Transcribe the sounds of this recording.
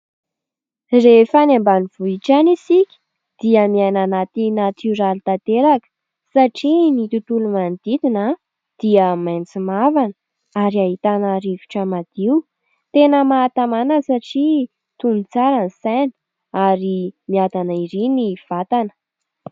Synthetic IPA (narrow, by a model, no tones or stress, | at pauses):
refanambaniv̥uiʈ͡ʂanisikʲi̥ | d̪̥iəmiananat̪inat̪ʰyɾalit̪at̪eɾakə̥ | saʈ͡ʂinit̪ut̪ulumand̪̥it̪ina | d̪̥iəmant͡simavanə | aɾiaɦit̪anaɾivi̥ʈ͡ʂəmad̪̥iu | t̪enəmaːt̪amanəsaʈ͡ʂi | t̪unit͡saɾanisani̥ | aɾimiad̪anaiɾiniv̥at̪anə̥